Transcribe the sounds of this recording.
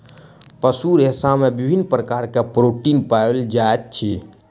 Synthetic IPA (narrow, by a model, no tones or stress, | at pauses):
pəsuɾesamebibʱinːpɾəkaɾkepɾoʈinpaeld͡ʒaet̪̚t͡ʃʰi